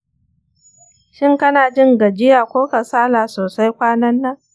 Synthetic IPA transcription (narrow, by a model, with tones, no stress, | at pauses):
ʃɪ˦ŋkɐ˦naː˨d͡ʒɪ˦ŋɡɐ˨d͡ʒɪ˦jaː˨kʷoː˦kɐ˨saː˦laː˨soː˨sa˦jkʷaː˦nɐ˦nːa˦